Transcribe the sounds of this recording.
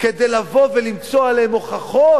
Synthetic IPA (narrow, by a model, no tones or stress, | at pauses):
ke̞d̪ejlavo̞velimt͡soaleemoχaχo